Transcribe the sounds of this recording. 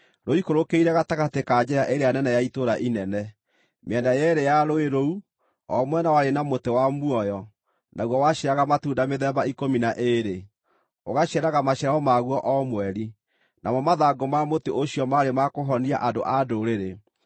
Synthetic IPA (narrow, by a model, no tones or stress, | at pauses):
ɾoikoɾokeiɾɛɣataɣatekad͡ʒeɾaʔeɾejanɛnɛjaitoɾaʔinɛnɛ | meɛndajɛɾejaɾoeɾou | ɔmwɛnawaɾenamotewamuɔjɔ | nʔaɣwɔwaʃeɾaɣamatuːdameðɛbaikominaʔeɾe | oɣaʃɛɾaɣamaɕɛɾaɔmaɣwɔʔɔmwɛɾi | nʔa̰mɔmaðaɡɔmamoteʔoɕiɔmaɾemakoɦɔnia̰ʔado̰ʔadoɾeɾe